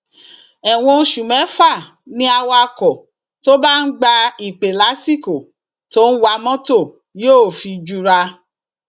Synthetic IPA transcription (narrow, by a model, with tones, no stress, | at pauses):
ɛ˨w̃ɔ̃˧˦ʃu˨mɛ̃˨˦fa˦˨ | nĩ˧˦a˧wa˧kɔ˨ | to˦ba˦n̩˦ɡ͡ba˧i˨k͡pe˨la˨˦si˦ko˨ | to˦n̩˦wa˧mɔ̃˦to˦˨ | jo˦˨fi˧d͡ʒu˧ɾa˧